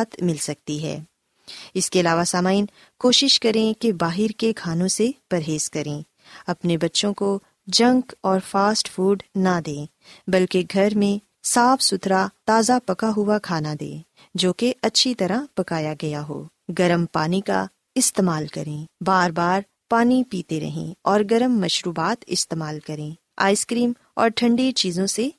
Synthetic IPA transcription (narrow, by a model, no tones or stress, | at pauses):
t̪mɪlsɐk̚t̪iɦɛ̰ː | ɪskeɐlaːʋasaːmaːɪn | koːʃɪʃkɐɾẽkebaːɦɪɾkekʰaːnõsepɐɾɦeːskɐɾẽː | ɐpnebɐtːʃõko | d͡ʒɐ̃ŋkɔːɾfaːsʈfuːɖnad̪ẽː | bɐlkeɡʱɐɾmẽ | saːfsʊt̪ɾat̪aːzapɐkaɦʊakʰaːnad̪ḛː | d͡ʒoːkeʔɐtːʃʰit̪ɐɾapɐkaːjaɡɐjaɦo̰ː | ɡɐɾəmpaːnika̰ | ɪst̪eːmaːlkɐɾẽːbaːɾbaːɾ | paːnipiːt̪eɾɐ̰ɦḛ̃ɔːɾɡɐɾəmːɐʃɾuːbaːt̪ɪ̰st̪eːmaːlkɐɾẽː | a̰ːɪskɾiːm | ɔ̰ːɾʈʰɐ̃ɳɖet͡ʃiːzõse